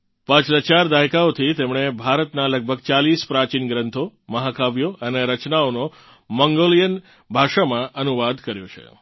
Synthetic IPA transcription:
pãt͡ʃlət͡ʃaɾd̪ajkaot̪ʰit̪emɳ̃ebʱaɾət̪naləɡ̚bʱəɡt͡ʃalispɾat͡ʃinɡɾənt̪ʰoməɦakʰaʋjoʔəneɾət͡ʃnaono | məŋɡolijən | bʱaʃamãʔənuʋad̪kəɾjo̰t͡ʃʰḛ

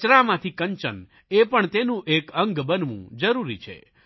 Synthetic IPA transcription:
t͡ʃɾamãt̪ʰikəɲt͡ʃə̰n | epəɳt̪enũʔekə̃ŋɡbənʋṵ̃d͡ʒəɾuɾḭt͡ʃʰḛ

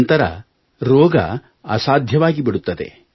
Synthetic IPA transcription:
nt̪ɐɾɐ̰ | ɾɔːɡɐ̰ | ɐsaːd̪ʱjɐʋaːɡibiɽut̪ːɐd̪ḛ

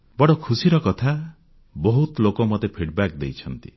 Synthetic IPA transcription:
bɔɽɔkʰusiɾɔkɔt̪ʰa | bɔɦut̪lokɔmɔt̪epʰiɽbakd̪ejt͡ʃʰɔnt̪i

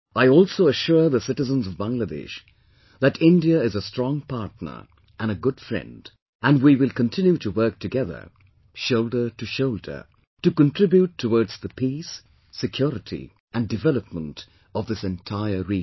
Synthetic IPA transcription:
aɪɔlˠsoʊəʃʊɹðəsɪɾɨzə̃nzʌvbãŋɡlədɛ̰ʃ | ðɨɾɪ̃ndiəɪzəstɹ̥ɔ̃ŋpʰaɹtⁿnə̰˞ | ʔɨ̃nɨɡʊd̥fɹɛ̰̃nd | ʔɨ̃ndwiwɪlˠkə̃ntʰɪ̃njuɾɨwɜ˞k̚tʰɨɡɛðə̰˞ | ʃoʊlˠdə˞ɾɨʃoʊldə̰˞ | tɨkə̃ntʰɹ̥ɪbjutʰːəwɔɹdz̥ðəpʰisː | ɨkʰj̥ɔɹɨɾʰḭ | ʔɨ̃ndɨvɛlˠəp̚mə̃nt | ʌvðɪsɛ̃ntʰaɪə˞ɹi

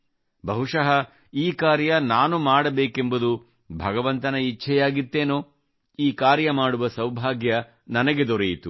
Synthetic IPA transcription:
bʱɐɦuʂɐɦɐ | iːkaːɾjɐnaːnumaːɽɐbeːke̞mbud̪u | bʱɐɡɐʋɐnt̪ɐnɐit͡ʃʰɛjaːɡit̪ːe̞ːnoː | iːkaːɾjɐmaːɽuʋɐsɐwbʱaːɡjɐ | nɐnɐɡe̞d̪ɔɾɛjit̪u

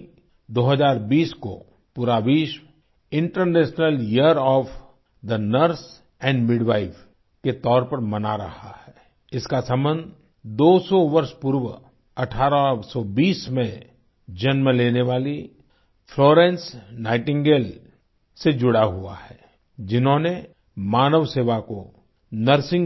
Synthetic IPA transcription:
d̪oːɦəzaːɾbiːsko̰ | puːɾaʋiːʃ | ɪ̃ɳʈəɾnɛːʃnəliəɾɔːf | d̪ənəɾs | ɛ̃ːɳɖmɪɖʋaːɪf | ket̪ɔːɾpɐɾmɐnaɾɐ̰ha̰hɛː | ɪskasɐ̃mbə̃nd̪ʱ | d̪oːsɔʋəɾʃpuɾw | ɐʈʰaːɾasɔbiːsmẽ | d͡ʒɐnmẽleːneʋaːli | fʰloːɾɛ̃ːnsnaːɪʈɪ̃ŋɡeːl | sed͡ʒʊɽaɦua̰hɛː | d͡ʒɪnɦõne | maːnəʋseːʋako | nəɾsɪ̃ŋ

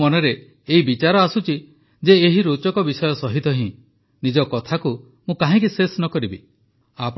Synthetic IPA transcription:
ɔneɾeː | ɦibit͡ʃaɾɔasut͡ʃi | d͡ʒeːɦiɾot͡ʃɔkɔbisɔjɔsɔɦit̪ɔɦĩ | nid͡ʒɔkɔt̪ʰaku | mũkaɦĩk̬isesnɔkɔɾibi | ap

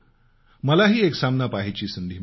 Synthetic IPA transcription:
məlaɦiːeksamnapaɦit͡ɕiːsənd̪ʱiː

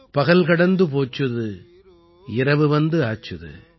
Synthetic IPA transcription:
pɐɣɐlkɐɽɐnd̪ɯpoːt͡ʃːɯðɯ | ɪɾɐʋɯʋɐnd̪ɯaːt͡ʃːɐðɯ̰

